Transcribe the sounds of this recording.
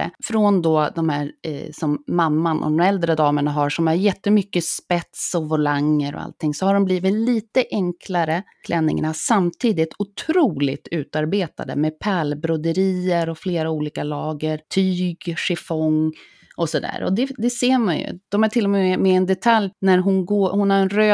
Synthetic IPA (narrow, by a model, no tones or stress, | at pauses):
ə̰fɾɔnd̪ɔd̪ɔmhæːɾsɔmːamːanʔɔ̰d̪ɔmɛld̪ɾəd̪ɑːməɳaɦaʂɔmæɾjɛt̪ːəmʏkːəspɛt̪sɔvʊlaŋːəɾɔ̰a̰lt̪ʰːɪŋsɔhaɖɔmbliːvɪt̪liːt̪əʔɛŋkʰlaɾəkʰlʔɛnːɪ̰ŋa̰ɳasamt̪ʰiːd̪ɪt̪ʊt̪ʰɾuːlɪt̪ʉ̟ːt̪aɾbeːt̪a̰d̪ə̰meːpʰæːlbɾɔd̪əɾiːəɾɔfleːɾauːliːkalɑːɡəɾt̪ʰyːɡʂɪfɔŋː | ʔɔsɔd̪æ̰ːɾɔ̰d̪ɛd̪ɛseːmanjɵ̰d̪̥ɔmæʈʰɪlːɔmɛɛmɛɛnd̪ɛt̪ʰaljnæɾɦʊnɡoːhʊnhaɾɛnɾøː